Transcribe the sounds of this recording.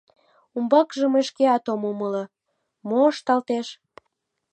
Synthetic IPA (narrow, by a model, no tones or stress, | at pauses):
umbɑkʒəmeʃkeɑt̪omomələ | moəʃt̪ɑlt̪eʃ